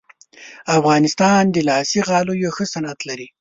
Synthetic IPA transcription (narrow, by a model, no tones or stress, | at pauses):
afɣɑnɪst̪ɑnd̪əlɑsiɣɑlojoxəsanat̪laɾi